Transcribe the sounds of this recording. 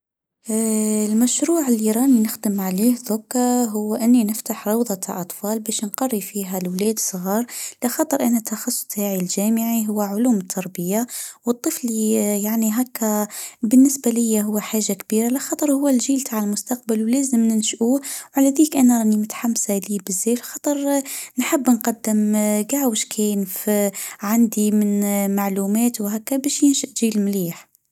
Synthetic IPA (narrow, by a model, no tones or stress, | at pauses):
lmæʃɾuːʕɪlːiɾˤɑːninɪxd̪ɪmʕaleːhðʊkːaɦʊwːʔɪnːinɪft̪aħɾˤɑwðˤɑt̪ʰa̰ʕʔɑt̪ˤfɑːlbæːʃnqɑrːifiːɦalwlæːd̪sˤɣɑːɾˤlɪxɑːt̪ˤɨɾˤʔanat̪ʰːɑxɑsˤːʊ̥st̪ʰaːʕilʒæːmɪʕiɦʊwːaʕʊluːmt̪ʰːɑɾˤbɪjːawɨt̪ˤːɨflijaʕniɦæːkːabɪnːɪsbalɪjːaɦʊwːaħaːʒːakbiːɾalɪxɑt̪ˤəɾˤhʊwːælʒiːlt̪ʰaʕəlmʊst̪ɑqbalwlæːzəmnɪnʃʔuwʕalæðiːkʔænanimʊt̪ħamsaliːbɪzːeːlxɑt̪ˤɨɾˤnħɪbːnqɑd̪ːɪmɡaʕwɪʃkʰenfʕand̪imɪnmaʕluːmɛːt̪wɦæːkːæbæːʃjɪnʃɪʔʒiːlmliːħ